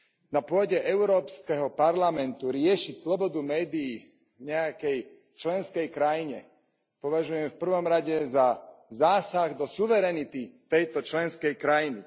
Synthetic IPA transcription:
napʊɔɟɛʔɛʊɾɔːpskɛɦɔpaɾlamɛnt̪uɾɪɛʃicslɔbɔd̪umɛːd̪iji | ɲɛakɛj | t͡ʃlɛnskɛjkɾajiɲɛ̰ | pɔʋaʒujɛmfpr̩ʋɔmɾaɟɛzazaːsaɣd̪ɔsuʋɛɾɛnit̪it̪ɛjt̪ɔt͡ʃlɛnskɛjkɾajinḭ

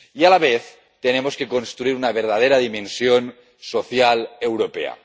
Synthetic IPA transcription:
ialaβ̞eθ | t̪enemoskekonst̪ɾuiɾunaβeɾð̞að̞eɾaðimẽnsjon | soθjalewɾopḛa̰

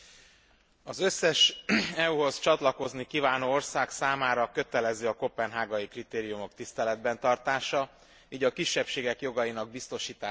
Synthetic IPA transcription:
ɒzøsːɛʃɛuɦo̞st͡ʃɒt̪lɒko̞znikivaːnoːo̞rsaːksaːmaːɾɒkøt̪ɛlɛziɒko̞pɛnɦaːɡɒjikrit̪eːɾijumo̞kt̪ist̪ɛlɛd̪bɛnt̪ɒrt̪aːʃɒ | iːɟɒkiʃːɛpʃeːɡɛkjo̞ɡɒjinɒɡ̚bist̪o̞ʃiːt̪aː

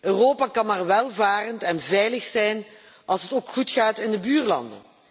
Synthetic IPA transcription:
ʔøːroːpakɑnmaːrʋɛlˠvaːrəntɛnvɛjləxsɛjn | ʔɑlˠsɦətoːkxutχaːtɪndəbyːrlɑ̰ndə̰n

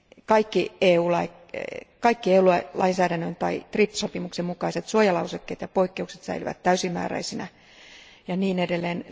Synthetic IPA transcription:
kɑikːieːuːlɑi | kɑikːieːulɑlʔɑinsæːdænːønt̪ɑit̪ripːsopimuksemmukɑiset̪suojɑlɑusekːḛːt̪jɑpoikːeukset̪sæ̰ilyʋæ̰t̪tæysimmːæ̰ːræ̰isinæ | jɑniːnedelːeːn

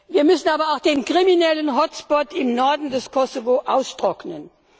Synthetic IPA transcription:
viːɐmʏsn̩aːbɐaʊxd̥eːnkʁ̥iminɛlənɦɔsb̥ɔtɪmnɔɐdn̩dɛskʰɔsovoʔaʊstʁ̥ɔknən

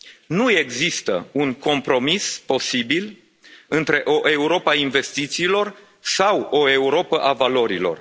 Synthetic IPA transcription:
nue̞ɡzist̪ə̰uŋko̞mpɾo̞mispo̞sibil | ɨnt̪ɾe̞ʔo̞ʔe̞uɾo̞painve̞st̪it̪siːlo̞r | sawo̞e̞uɾo̞pəʔavalo̞ɾḭlo̞̰r

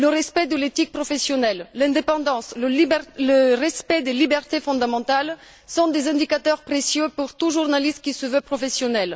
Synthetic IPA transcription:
ləʁɛspɛd̪əlet̪ik̚pχɔfesjɔnɛlːɛ̃d̪epɑ̃d̪ɑ̃slələʁɛspɛd̪elibɛʁt̪efɔ̃d̪amɑ̃t̪al | sɔ̃d̪ezɛ̃d̪ikat̪œʁpχesjøpuʁt̪uʒuʁnaliskʲisəvøpχɔfesjɔnɛl

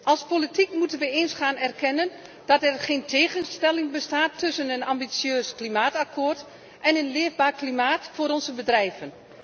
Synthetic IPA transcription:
ʔɑlˠspolitikmutənʋəeːnsχaːnɛrkɛnən | d̥ɔtɛrχeːntʰeːɣənstɛlɪŋbəstaːtʰːʏsənənambisjøːsklimaːtakʰoːrt | ʔɛnənlɪːvbaːrklimaːtfoːɾɔnzəbədrɛjvən

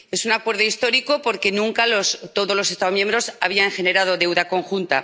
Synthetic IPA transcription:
e̞sunakwe̞ɾðo̞ist̪o̞ɾiko̞po̞ɾke̞nũŋkalo̞st̪o̞ðo̞zlo̞se̞st̪aomjembɾo̞sa̰β̞iaŋxe̞ne̞ɾað̞o̞ðe̞wðako̞ŋxunt̪a̰

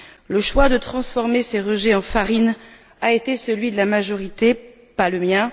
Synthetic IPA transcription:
ləʃwad̪ət̪χɑ̃sfɔʁmeseʁəʒɛɑ̃faʁin | aet̪esəlɥid̪əlamaʒɔʁit̪e | paləmjɛ̃

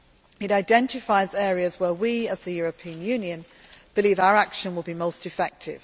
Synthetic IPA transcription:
ɪɾaɪdɛ̃ntɪfaɪzɛːɹiəzwəwiəz̥ðəjɔːɹəpʰĩə̃njʉːnjə̃n | b̥ɪliːvaʊəɹakʃə̃nwɪlˠbimoʊstɪfɛk̚tʰɪ̰v̥

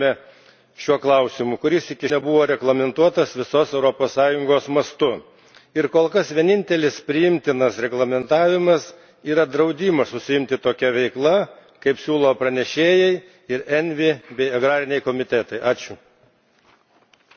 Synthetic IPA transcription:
ɛ | ʃʲuɔklˠɐʊsʲɪmʊkʊɾʲɪsɪkʲɪnʲɛbʊʋoːɾʲɛɡlˠɐmʲɛnt̪uɔt̪ɐsʋʲɪsoːsɛʊɾoːpoːssɑːjʊŋɡoːsmɐst̪ʊ | ɪɾkoːlˠkɐsʋʲiɛnʲɪnʲt̪ʲɛlʲɪspʲɾʲɪjɪmʲt̪ʲɪnɐsɾʲɛɡlˠɐmʲɛnt̪ɑːʋʲɪmɐs | iːɾɐd̪ɾɐʊd̪ʲiːmɐsʊsʲɪɪmʲt̪ʲɪt̪oːkʲɛʋʲɛɪklˠɐ | kɐɪpsʲuːlˠoːpɾɐnʲɛʃʲeːjɛɪ | ɪɾɛnʲʋʲɪbʲɛɪɐɡɾɑːɾʲɪnʲɛɪkoːmʲɪt̪ʲɛt̪ɐɪʔɑːt͡ʃʲʊ

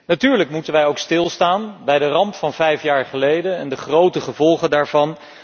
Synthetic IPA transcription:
natyːɹləkmutənʋɛjowkstɪlˠstaːnbɛjdərɑmpfɑnvɛjfjaːɹχəlejdənɛndəχrowtəχəvɔlˠχəndaːɹvɑn

